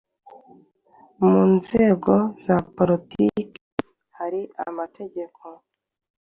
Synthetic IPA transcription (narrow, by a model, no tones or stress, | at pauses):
muːnze̞ːɡo̞z̥apoɾitik | haɾia̰matʰe̞ɟe̞kʰo̞